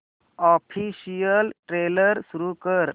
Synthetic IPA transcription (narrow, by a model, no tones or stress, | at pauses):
ɔpʰisijəlʈɾeləɾsuɾukəɾ